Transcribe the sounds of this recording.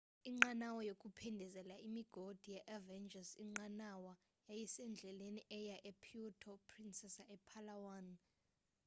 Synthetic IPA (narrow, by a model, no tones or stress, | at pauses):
iŋ͡ǃanawɔjokʼupʰɛndʱɛzɛlaimiɡ̥ʱod̥ʱijɛʔavɛnd͡ʒʱasiŋ͡ǃanawa | jajɛsɛnd͡ɮʱɛleniʔɛjaʔɛpʰiutʰɔpʰrinsɛsaʔɛpʰalawan